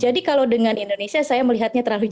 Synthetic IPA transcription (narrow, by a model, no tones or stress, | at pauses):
d͡ʒadikalawdəŋanindonesiasajaməliɦat̪̚ɲat̪ərlalud͡ʒ